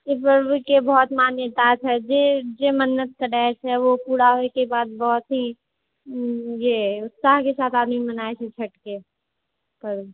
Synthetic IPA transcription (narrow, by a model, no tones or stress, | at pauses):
epəɾbukebɔːt̪maːnjet̪at͡ʃʰɛd͡ʒed͡ʒemənːət̪̚kəɾɛt͡ʃʰɛʋopuːɽaɦoekebaːd̪̚bɔːt̪ɦi | jeʊt̪saːɦkesaːt̪ʰaːd̪mimɐnaːet͡ʃʰet͡ʃʰɐʈke | pəɾ